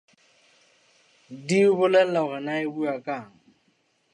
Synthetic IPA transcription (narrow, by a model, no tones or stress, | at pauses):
diʊbʊlɛl̩laʊɣɛnaɪbuakʼaːŋ̩